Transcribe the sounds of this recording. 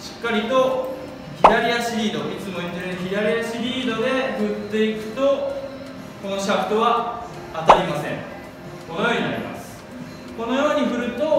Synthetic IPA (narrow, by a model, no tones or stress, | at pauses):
ɕi̥kːaɾʲit̪o̞ | çiɾaɾʲiaɕiɾʲiːd̪o̞it͡sɨmo̞ieɾençʲiɾaɾʲiaɕiɾʲiːd̪o̞d̪e̞ɸɯ̟t̪ːe̞ikɯ̟̥t̪o̞ | kono̞ɕakɯ̟̥t̪o̞βa | at̪aɾʲimasẽ̞̰ŋ | konojo̞ːɲ̟ina̰ɾʲḭma̰sɨ̥ | ko̞no̞jo̞ːɲ̟iɸɯ̟ɾɯ̟t̪o̞